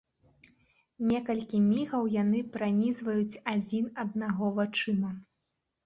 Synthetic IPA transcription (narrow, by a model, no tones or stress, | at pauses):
nʲɛkɐlʲkʲimʲiɣɐwjanɨpɾanʲizvɐjut͡sʲad͡zʲinɐd̪̚naɣɔvat͡ʂɨmɐ